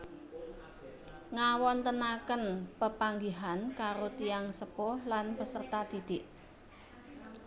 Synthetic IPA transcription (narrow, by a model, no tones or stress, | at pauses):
ŋawɔnt̪ənakənpəpaŋɡiɦankaɾot̪ijaŋsəpɔhlanpəsərt̪at̪id̪̥ɪʔ